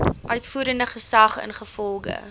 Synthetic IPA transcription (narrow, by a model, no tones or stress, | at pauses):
ʔœɥtfuːɾəndəχəsɐχə̰nχəfɔlˠɡə̰